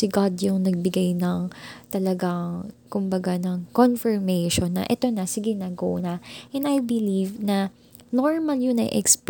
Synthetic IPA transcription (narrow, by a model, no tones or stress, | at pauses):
ɪɡad̪jʊŋnɐɡ̚bɪɡajnɐŋt̪ɐlɐɡaŋkʊmbɐɡanɐŋkonfɛɹmɛjʃonːɐ̰ʔɛt̪o̞nɐsɪɡɪnaːɡo̰ʔnɐʔɛnɐjbɪlivnɐ | noɹmɐljʊnɐ̰jʔɛ̰ksp